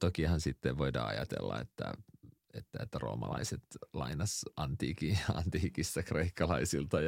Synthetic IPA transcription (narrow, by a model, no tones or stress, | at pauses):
t̪okihɑnsit̪ːeʋʋoidɑːɑ̰jɑt̪elːɑ̰et̪ːæ | et̪ːæet̪ːæro̞̰ːmɑlɑiset̪lɑinɑsɑnt̪iːkiɑ̰nt̪iːkisːɑkreikːɑlɑisilt̪ɑj